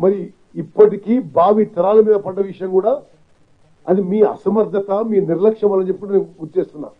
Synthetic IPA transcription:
mɐɾiː | pːɐʈikiːbʱaːʋit̪ːɐɾaːlɐmiːd̪ɐpɐɖːɐʋiʂɐjɐŋkuːɽaː | ɐd̪imiːɐ̰sɐmɐɾd̪ʱɐt̪ɐmiːniɾlɐkʂɐmaːlːɐɲt͡ʃepːikuɽɐneːnɡut͡ʃeːst̪unːa̰ːm

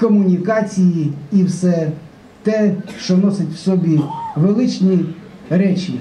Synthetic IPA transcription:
kɔmʊnʲikɑt͡sʲijiiwsɛ | t̪ɛʃt͡ʃɔnɔsɪtʲwsɔbʲiʋelˠɪt͡ʃʲnʲiɾɛt͡ʃʲi

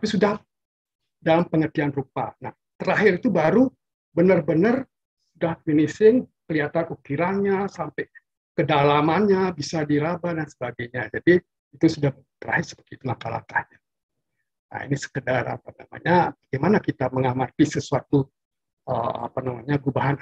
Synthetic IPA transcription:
t̪apisudah | dalampəŋərt̪ianrupa̰na̰h | t̪əɾaɦɪɾit̪ubaɾu | bənərbənər | sudahminisɪŋkəliɦat̪ankukiɾaŋɲasampɛj | kədalamanɲabisadiɾabadansə̥baɡajɲad͡ʒadi | it̪usudah | t̪əɾa̰ɦɪrsə̥pərt̪iːt̪ulaŋkala̰kahɲa | a̰ḭnisə̥kədarʔa̰pana̰ma̰ɲabaɡemanakit̪aməŋamat̪isəsuat̪u | əa̰panamaɲaɡubaɦan

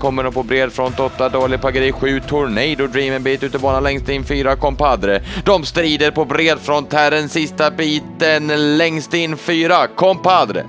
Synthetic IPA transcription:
kʰɔmːəɳopɔbɾeːd̪fɾɔnt̪ɔt̪ːad̪oːlɪpʰaɡəɾiːɧʉ̟ːt̪ʰʊɾɳɛjd̪ɔd̪ɾiːmənbiːt̪ʉ̟ːt̪əbɑːnalɛŋst̪ɪnːfyːɾakʰɔmpad̪ɾəd̪̥ɔmst̪ɾiːd̪əɾpɔbɾeːd̪fɾɔnt̪ʰhæːɖənsɪst̪abiːt̪ənlɛŋst̪ɪnːfyːɾakʰɔmpad̪ɾə̰

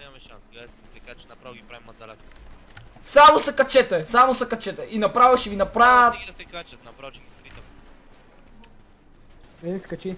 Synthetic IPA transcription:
a | a | ɾɾa | samosɐkɐt͡ʃɛt̪ɛsamosɐkɐt͡ʃɛt̪ɛʔinɐpɾavɐʃivinɐpɾaɐt̪̚ | skɐt͡ʃi

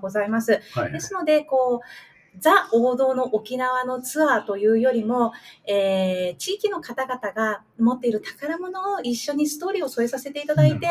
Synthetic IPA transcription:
ɡo̞zaimasɨd̪e̞sɨno̞d̪e̞ko̞ː | d͡zaoːd̪o̞ːno̞ʔokʲinaβano̞t͡sɨβat̪o̞jɯ̟ːjo̞ɾʲimo̞eːt͡ɕiːkʲino̞kat̪aɡat̪aɡa | mo̞t̪ːe̞iɾɯ̟t̪ḁkaɾamono̞oiɕːo̞ɲ̟isɨ̥t̪o̞ːɾʲio̞so̞e̞sase̞t̪e̞it̪ad̪ait̪e̞

